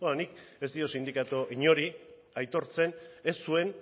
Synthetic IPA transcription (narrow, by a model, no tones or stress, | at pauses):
onike̞zd̪io̞sind̪ikat̪oʔiɲo̞ɾi | ajt̪o̞ɾt͡se̞ne̞sːue̞n